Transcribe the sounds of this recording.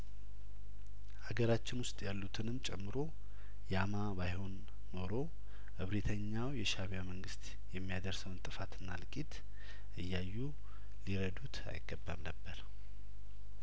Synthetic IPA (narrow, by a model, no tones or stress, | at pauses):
haɡəɾat͡ʃːɪnwʊst̪ʼjalːut̪ʰɨnɨmːt͡ʃʼɛmːɨɾo̞ | jɛamaβajho̞nː | o̞ɾo̞ | ʔɨβɾit̪ʰəɲːawjɛʃaβijaməŋɡɨst̪ | jɛmːijad̪əɾsəwnt̪ʼɨfat̪ɨnːa̰lkʼit̪ | ʔɨjːajːu | liɾəd̪ut̪a̰jɪɡːəbːa̰mnəbːəɾ